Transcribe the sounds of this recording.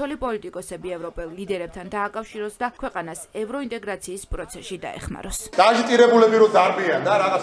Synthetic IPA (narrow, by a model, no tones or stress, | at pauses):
ɔlipʼɔlit̪ʼikʼɔsɛbiɛvɾɔpʼɛlˠːlid̪ɛɾɛb̚t̪ʰand̪aːkʼafʃiɾɔsd̪akʰwɛqʼanasɛvɾɔint̪ʼɛɡɾat̪sʰiːspʼɾɔt̪sʰɛʃid̪a̰ɛ̰χma̰ɾɔsd̪̥aʒit̪ʼiɾɛbulɛbiɾɔd̪aɾbiand̪aɾaʁa